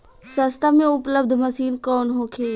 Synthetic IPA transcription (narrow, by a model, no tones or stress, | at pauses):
sə̃st̪aːmẽʊpləb̚d̪ʱməsiːnkɔːnɦoːkʰeː